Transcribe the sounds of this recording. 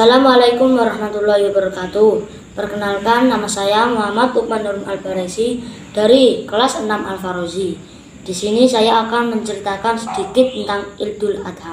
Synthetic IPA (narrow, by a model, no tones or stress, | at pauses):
asalamalakʊmwaɾahmat̪ulahiwabəɾkat̪u | pərkənalkanːamasajamuɦamad̪uk̚manuɾʊna̰lbaɾasid̥aɾikəlasənamʔa̰lfaɾozi | d̪̥i̤sinisajaːkanməɲt͡ʃəɾit̪akansəd̪̥ikɪt̪̚ːənt̪aŋɪld̪̥ʊlad̪̥ɦa